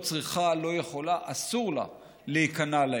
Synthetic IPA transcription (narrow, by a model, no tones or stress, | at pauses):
t͡sʁiχalo̞jeχo̞laʔasuʁla̰ | leikanala